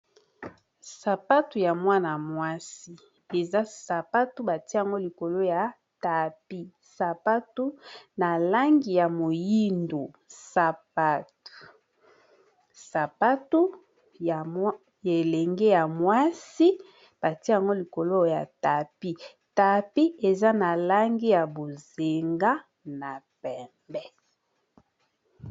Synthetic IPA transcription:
sa˨pa˦tu˨ja˨mwa˦na˨mwa˦si˦ | e˨za˦sa˨pa˦tu˦ba˨ti˦˨a˨ŋɡo˦li˨ko˨lo˦ja˨ | ta˨pi˦ | sa˨pa˦tu˦na˨la˦ŋɡi˨ja˨mo˨ji˦ndo˨ | sa˨p̚a˦tu̥˨ | sa˨pa˦tu˦ | a˨ | e˨le˨ŋɡe˦ja˨mwa˦si˦ | b̥a˨ti˦a˨ŋɡo˦li˨ko˨lo˦ja̰˨ta˨pi˦ | ta˨pi˦e˨za˦na˨la˦ŋɡi˦ja˨bo˨ze˨ŋɡa˦ | na˨pɛ˨mbɛ˦

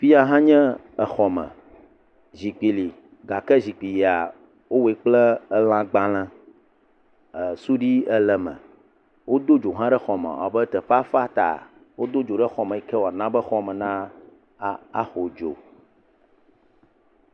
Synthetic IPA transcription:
fi˦a˦ɦã˦ɲɛ̃˦ | ə˨xɔ˨mə̰̃˨ | zi˨k͡pi˨li˨ | ɡa˨kɛ˦zi˨k͡pi˨ji˨a˨ | wo˦we˨˦k͡plɛ˦ə˦l̃ã˦ɡ͡bã˦lã˦ | ə˨su˦ɖi˦ɛ˦lɛ˨mə̰̃˨ | wo˦d̪o˦d͡ʒo˨ɦã˦ɖɛ˦xɔ˨mə̰˨a̰˨bə˦t̪ɛ˨ɸa˦fa˦t̪a̰˨ | wo˦d̪o˦d͡ʒo˨ɖɛ˦xɔ˨mə̃˨i˨kɛ˦wo˨a˨nã˦bə˦xɔ˦mə̃˨nã˦˨ | a̰˦xo˨d͡ʒo̰˨

